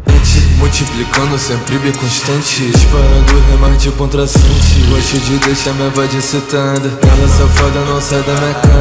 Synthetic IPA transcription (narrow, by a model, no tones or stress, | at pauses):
ẽt͡ʃɪmuwt͡ʃiplikɐ̃nd̪ʊsẽpɾibẽkõʃt̪ɐ̃t͡ʃɪʃpaɾɐ̃d̪ʊɦẽmɐ̃t͡ʃɪkõnt̪ɾasɐ̃t͡ʃɪaʃud͡ʒɪd̪eʃamẽɐvad͡ʒisit̪ɐ̃d̪ɐavɐ̃sɐ̃fad̪ɐnɐ̃w̃sajd̪ɐmĩɐka